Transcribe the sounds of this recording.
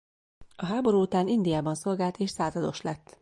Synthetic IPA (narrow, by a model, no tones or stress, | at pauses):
ɒɦaːbo̞ɾuːut̪aːnind̪ijaːbɒnso̞lɡaːlt̪eːʃsaːzɒd̪o̞ʃlɛt̪ː